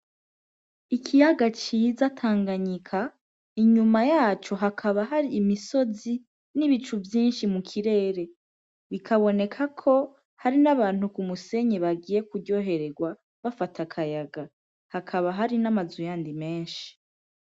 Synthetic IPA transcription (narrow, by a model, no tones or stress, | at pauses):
ikʰijaɡat͡ʃizatʰaːŋɡaɲikʰa | iɲumajaːt͡ʃo̞ɦakʰaβaɦaɾiːmiso̞zi | niβit͡ʃuvjiːnʃimukʰiɾe̞ːɾe̞ | βikʰaβo̞ne̞kʰakʰo̞ | haɾinaβaːn̥hukumuse̞ɲeβaɡiːje̞kuɾɟo̞ːɦe̞ɾe̞ɡwa | βafatʰakʰajaɡa | hakʰaβaɦaɾinamazujaːndime̞ːnʃi̥